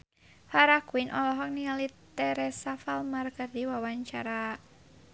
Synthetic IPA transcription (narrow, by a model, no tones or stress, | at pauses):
haɾakwinʔɔlɔɦɔk̚nialit̪ɛɾɛsafalmarkərdiwawaɲt͡ʃaɾa